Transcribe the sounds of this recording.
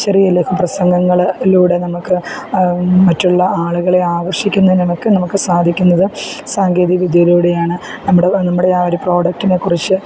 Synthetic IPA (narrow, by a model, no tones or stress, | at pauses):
t͡ɕɐrijɐlːeːkːɐmprɐsɐŋɡɐŋːɐɭluːɽe̞nɐmukːɨ | mɐtːuɭːɐaːɭuɣɐɭe̞aːɡɐrʂikʲːunːɐðinnɐmukːɨnɐmukːɨsaːd̪ʱikʲːunːɐðɨsaːŋɡeːðiʋid̪ʱjɐiluːɽe̞jaːɳɨ | nɐmːuɽenɐmːuɽe̞aoɾupro̞ːɽɐk̚ʈine̞kːurit͡ɕːɨ